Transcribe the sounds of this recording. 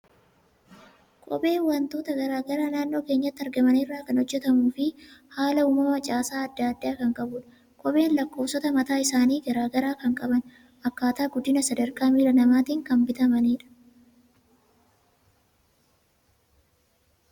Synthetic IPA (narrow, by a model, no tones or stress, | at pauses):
kʼɔ̰bʼe̞ːnwɐnt̪o̞ːt̪ɐɡɐɾaːɡɐɾaːnaːnːo̞ːke̞ːɲːɐt̪ːɐɾɡɐmɐnɪrːaːkɐnɔd͡ʒːɛt̪ɐmuːfɪhaːlɐuːmɐmɐt͡ʃʼaːsaːɐd̪ːaːd̪ːaːkɐŋkʼɐbʊᶑɐ | kʼɔbe̞ːnlɐkːo̞ːfsɔt̪ɐmɐt̪aːɪsaːniːɡɐɾaːɡɐɾaːkɐŋkʼɐbɐn | ʔɐkːaːt̪aːɡʊd̪ːɪnɐsɐd̪ɐɾkaːmiːlɐnɐmaːt̪iːŋkɐmbɪt̪ɐmɐniːᶑɐ̥